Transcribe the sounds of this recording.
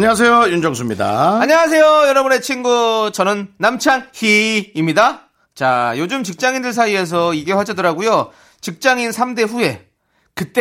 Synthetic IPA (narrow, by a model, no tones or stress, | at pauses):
ɲʌas̬ʰe̞jojund͡ʑʌŋs̬ʰumɲida̰aɲʌŋas̬ʰe̞jojʌɾʌbune̞t͡ɕʰinɡut͡ɕʌnɯnːamt͡ɕʰançiimɲida | t͡ɕajod͡ʑumt͡ɕik̚t͡ɕ͈aŋindɯɭs̬ʰaie̞s̬ʰʌiɡe̞ɸwad͡ʑʌdʌɾaɡujo | t͡ɕik̚t͡ɕ͈aŋinsʰamde̞ɸue̞ | kɯt͈e